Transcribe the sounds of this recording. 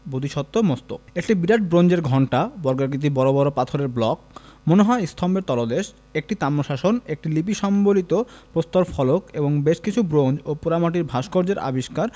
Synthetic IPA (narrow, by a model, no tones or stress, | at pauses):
bod̪iʃɔt̪ːomost̪o̰ekʈibiɾaʈ̚bɾond͡ʑeɾɡʱɔɳʈabɔɾɡaɾɡit̪̬ibɔɾobɔɾopat̪ʰoɾeɾblɔkmoneɦɔeist̪ʰɔmbeɾt̪ɔlod̪eʃ | ek̚ʈit̪amːoʃaʃonek̚ʈilip̬iʃɔmbolit̪opɾost̪oɾfʰɔlokeboŋbeʃkit͡ɕʰubɾond͡ʑopuɾamaʈiɾbʱaʃkoɾd͡ʑeɾa̰biʃkaɾ